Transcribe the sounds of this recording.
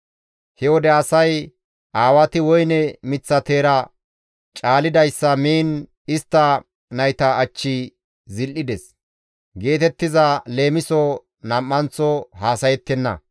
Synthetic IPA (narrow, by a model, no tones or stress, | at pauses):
hɛwɔd̪ɛɐsɐj | ʔaːwɐt̪ɪwɔjnɛmɪt͡sːɐt̪e̞ːɾɐ | t͡ʃʼaːlɪd̪ɐjsːɐmiːn | ɪst̪ːɐ | nɐjt̪ɐːt͡ʃːɪ | zɪlʔɪd̪ɛs | ɡe̞ːt̪ɛt̪ːɪzɐle̞ːmɪsɔ | nɐmːɐnt͡sːɔhaːsɐjɛt̪ːɛnːɐ̰